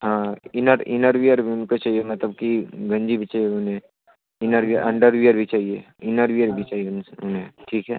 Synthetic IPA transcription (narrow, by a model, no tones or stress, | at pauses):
ɦãːɪnəɾɪnəɾʋijəɾbʱiʊnkot͡ʃaːɦiemɐt̪ləb̚kiɡɐ̃ɲd͡ʒibʱit͡ʃaːɦijeʊnɦẽ | ɪnəɾʋijəɾʔɐ̃ɳɖəɾʋijəɾbʱit͡ʃaːɦie | ɪnəɾʋiəɾbʱit͡ʃaːɦieʊnʊnɦẽʈʰiːkɦɛː